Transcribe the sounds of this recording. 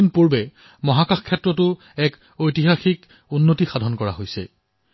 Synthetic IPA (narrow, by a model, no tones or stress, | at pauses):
inpuɹbɛ | mɔɦakaxkʰːɛtɹɔtʊ | ɛk | ojtiɦaxik | unːotixadʱɔnkɔɹa̰ɦojsɛ̰